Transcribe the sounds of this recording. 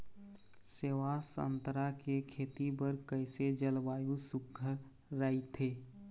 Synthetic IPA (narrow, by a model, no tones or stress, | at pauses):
seʋaːsə̰̃nt̪ɾakekʰeːt̪ibəɾkəɪsed͡ʒəlʋaːjũsʊkʰːəɾː | ait̪ʰeː